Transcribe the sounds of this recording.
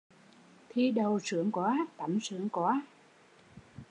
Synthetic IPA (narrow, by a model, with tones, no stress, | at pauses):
t̪ʰi˧ɗə˨˩wsɨ˧˩˦əŋkwaː˨˦t̪a˨˧˩msɨ˧˥əŋkwaː˨˦